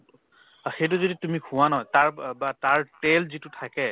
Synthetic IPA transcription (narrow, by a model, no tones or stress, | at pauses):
xejt̬ʊzoditumikʰʊ̃wanɔɦjtaɹbataɹtelzitʊtʰakɛ